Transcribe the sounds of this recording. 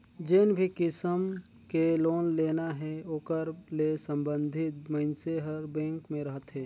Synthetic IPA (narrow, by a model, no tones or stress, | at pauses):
d͡ʒeːnbʱikɪsəm | keloːnleːnaɦɛoːkəɾlesə̃mbə̃nd̪ʱɪt̪məɪnseɦəɾbɛ̃ːŋkmẽɾəɦət̪ɦɛː